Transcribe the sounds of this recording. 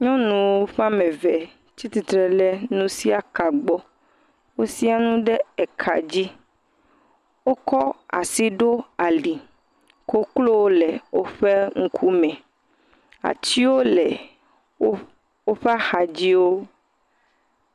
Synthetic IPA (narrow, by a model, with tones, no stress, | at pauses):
ɲɔ̃˦nũ˨wo˦ɸa˦mɛ̃˨vɛ˨ | t͡ɕi˦t̪i˨t̪ɾɛ˨lɛ˦nũ˦si˦a˨ka˨ɡ͡bɔ˦ | wo˦si˦a˨nũ˦ɖɛ˦ɛ˨kʰa̰˨d͡ʑi˦ | wo˦kɔ˦a̰˨si˦ɖo˦a˨li˨ | ko˦klo˦wo˦lɛ˨wo˦ɸɛ˦ŋ̩˦kʰu˦mɛ̃˨ | a̰˨t͡ɕi˦wo˦lɛ˨ | o˦ | wo˦ɸe˦a˦xa˨d͡ʑi˦wo˦